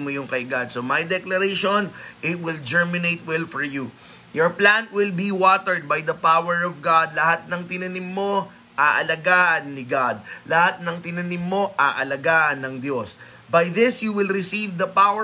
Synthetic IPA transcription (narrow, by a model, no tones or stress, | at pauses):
mojʊŋkɐʔɪɡad̪somɐjd̪ɛklɐɾeʃonʔɪt̪̚wɪld͡ʒɛɹmɪnejt̪̚wɛlfɔɹju | jɔɹplãnwɪlbiwɔt̪ɛɹd̪̚bajd̪ɐpawɛɹɔvɡad̪̚lɐhat̪̚nɐŋt̪ɪnɐnɪmːo̞ | ʔaʔɐlɐɡaːʔɐnːɪɡad̪̚lɐhat̪̚nɐŋt̪ɪnɐnɪmːo̞ʔaʔɐlɐɡaːʔɐnːɐŋd̪jos | bɐjðɪsjuwɪlɾɪsivd̪ɐpawə